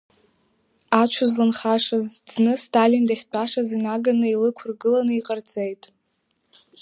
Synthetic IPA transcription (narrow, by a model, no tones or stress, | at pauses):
at͡ʃʷʰʊzlanχaʂazd͡znɨstʰalindaχʲt͡pʷʼaʂazinaɡanɨilɨkʷʰʊrɡɨlanɨiqʼərt͡sʼe̞jtʼ